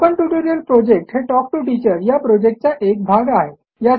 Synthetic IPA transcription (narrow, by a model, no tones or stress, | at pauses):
kəɳʈuʈuɾijəlpɾod͡ʑek̚ʈɦeʈɔk̚ʈuʈit͡ɕəɾjapɾod͡ʑek̚ʈ̚t͡ɕjaʔek̚bʱaɡaɦe | ja